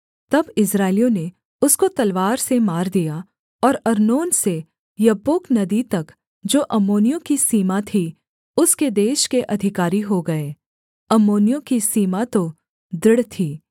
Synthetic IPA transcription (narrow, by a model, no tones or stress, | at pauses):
t̪ɐbɪsɾaːɪlijõne | ʊskot̪ɐlʋaːɾsemaːɾd̪ija | ɔːɾɐɾnoːnse | jɐboːknɐd̪it̪ɐk | d͡ʒoːʔɐmoːnɪjõkisiːmat̪ʰi | ʊsked̪eːʃkeʔɐd̪ʱɪkaːɾiɦoɡɐeː | ɐmoːnijõkisiːmat̪o | d̪ɾɪɽt̪ʰiː